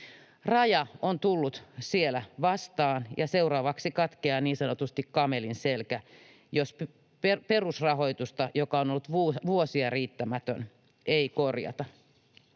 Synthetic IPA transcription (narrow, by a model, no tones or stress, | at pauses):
rɑjɑont̪ulːut̪sielæʋɑst̪ɑːnjɑseuɾɑːʋɑksikɑt̪keɑːniːnsɑnot̪ust̪ikkɑmelinselkæ | josp | peperusrɑɦo̞it̪ust̪ɑjokɑonolːut̪ʋuʋuosiɑriːt̪ːæmæt̪ø̰n | ʔeikorjɑ̰t̪ɑ